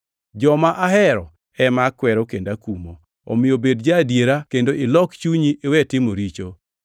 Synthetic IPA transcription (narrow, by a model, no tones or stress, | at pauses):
d͡ʒɔmaʔaɦɛɾɔ | ɛmakwɛɾɔkendakumo̰ | ɔ̰mɪjobedd͡ʒadjeɾakendoʔɪlɔkt͡ʃuɲiʔewɛtɪmoɾit͡ʃo